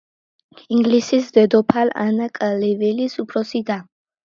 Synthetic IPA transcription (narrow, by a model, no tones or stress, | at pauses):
iŋɡlisisd̪ɛd̪ɔpʰala̰nakʼlɛvilisupʰɾɔsid̪a